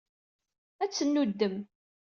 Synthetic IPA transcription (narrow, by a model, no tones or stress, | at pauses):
æt͡sːənːud̪ːəm